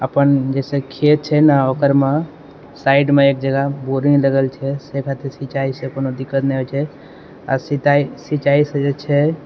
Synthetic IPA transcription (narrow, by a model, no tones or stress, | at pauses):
əpənd͡ʒɛsẽkʰet̪̚t͡ʃʰɛnaokəɾme | saiɖmeek̚d͡ʒəɡaboɾiləɡəlt͡ʃʰɛsekʰat̪iɾsit͡ʃaisẽkonod̪ikːət̪nɛɦot͡ʃʰɛ | a̰sit̪aisit͡ʃaisẽd͡ʒet͡ʃʰɛ